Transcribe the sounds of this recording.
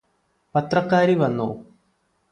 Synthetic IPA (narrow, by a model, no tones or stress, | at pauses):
pɐt̪rɐkːaːɾiʋɐnːṵː